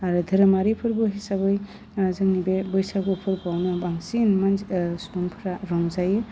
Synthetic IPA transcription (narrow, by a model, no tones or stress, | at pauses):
aɾɯdʱɯɾɯmaɾipʰɯɾbɯɦisabɯj | zɯŋnibebɯjsaɡupʰɯɾpawnɯbaŋsinmansɔmpʰɾaɾɔŋzajɯ